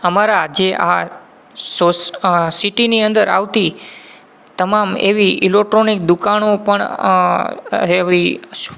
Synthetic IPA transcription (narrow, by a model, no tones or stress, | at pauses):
əmaɾad͡ʒeʔa | sossiʈiniə̃nd̪əɾa̰ʋt̪i | t̪əmamḛʋiilek̚ʈɾonik̚d̪ukanopəɳ | ɦeʋiʃ